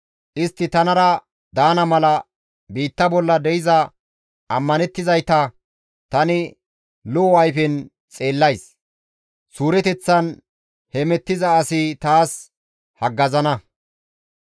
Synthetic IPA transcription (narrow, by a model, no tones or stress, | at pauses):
ʔɪst̪ːɪt̪ɐnɐɾɐ | d̪aːnɐmɐlɐ | biːt̪ːɐbɔlːɐd̪ɛjɪzɐ | ʔɐmːɐnɛt̪ːɪzɐjt̪ɐ | t̪ɐnɪ | lʊɐjfɪn | t͡sʼe̞ːlːɐjs | suːɾɛt̪ɛt͡sːɐn | hɛmɛt̪ːɪzɐːsɪt̪aːs | hɐɡːɐzɐnɐ